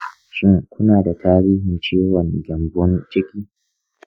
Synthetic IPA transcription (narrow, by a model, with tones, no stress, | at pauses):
ʃɪ˦ŋkʷʊ˦naː˨da˨tʰaː˦ɽiː˦ɦɪ˨nt͡ʃeː˦wɔ˨ŋɡʲɐ˨mbɔ˦nt͡ʃe˦kʲiː˦